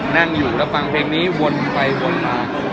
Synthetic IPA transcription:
na˥˩ŋjuː˨˩ɾa˦˥fa˧ŋpʰeː˧ŋniː˦˥wo˧npa˧jwo˧nmaː˧

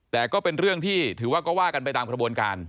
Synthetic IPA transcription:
t̪ɛː˨˩kɔː˥˩pe˧nɾɯ˥˩əŋt̪ʰiː˥˩t̪ʰɯː˩˦waː˥˩kɔː˥˩waː˥˩ka˧npa˧jt̪aː˧mkɾa˧bu˧ənkaː˧n

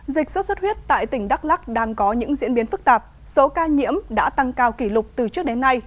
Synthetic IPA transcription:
zï˨˩k̟̚swə˦˥t̚sə˦˥t̚wət̚t̪a̰ː˧˨jt̪ï˧˩ŋ̟ɗa˦˥k̚la˦˥k̚ɗaː˧ŋkɔ˨˦ɲɨ̰˧˥ŋzḭ˧˥ənɓi˨˦ənfɨ˦˥k̚t̪aː˨˩p̚ | so˨˦kaː˧ɲḭ˧˥əmɗa̰ː˧˥t̪a˧ŋkaː˧wki˧˩lʊ˨˩k͡p̚t̪ɨ˨˩t͡ɕɨ˦˥ək̚ɗe˨˦nːa˧j

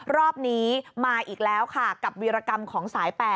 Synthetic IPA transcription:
ɾɔː˥˩p̚niː˦˥maː˧ʔiː˨˩k̚lɛː˦˥wkʰa˥˩ka˨˩p̚wi˧ɾaː˧ka˧mkʰɔː˩˦ŋsaː˩˦jpɛː˨˩

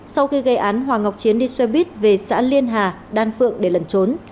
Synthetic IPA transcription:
sa˧wxi˧ɣə˧jʔaː˨˦nɦwaː˨˩ŋa˨˩wk͡p̚t͡ɕi˨˦ənɗi˧swɛ˧ɓi˦˥ət̚ve˨˩sa̰ː˧˥li˧ənɦaː˨˩ | ɗaː˧nfɨ̰˧˨əŋɗe˧˩lə˨˩nt͡ɕo˨˦n

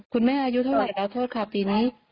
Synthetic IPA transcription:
kʰu˧nmaː˥˩ʔaː˧ju˦˥t̪ʰa˥˩wlaː˨˩lɛː˦˥wt̪ʰoː˥˩t̪̚kʰa˥˩piː˧niː˦˥

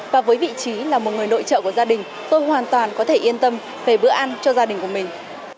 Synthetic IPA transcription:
vaː˨˩vəː˨˦jvḭ˧˨t͡ɕi˨˦laː˨˩mo˨˩t̚ŋɨ˨˩əjno̰˧˨jt͡ɕə̰ː˧˨ku˧˩zaː˧ɗï˨˩ŋ̟ | t̪o˧jhwaː˨˩nt̪waː˨˩nkɔ˨˦t̪ʰe˧˩ʔi˧ənt̪ə˧m | ve˧˩ɓɨ̰˧˥əʔa˧nt͡ɕɔ˧zaː˧ɗï˨˩ŋ̟ku˧˩əmï˨˩ŋ̟

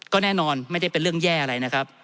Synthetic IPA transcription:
kɔː˥˩nɛː˥˩nɔː˧nma˥˩jt͡ɕʰa˥˩jpe˧nɾɯ˥˩əŋjɛː˥˩ʔa˧ɾa˧jna˦˥kʰa˦˥p̚

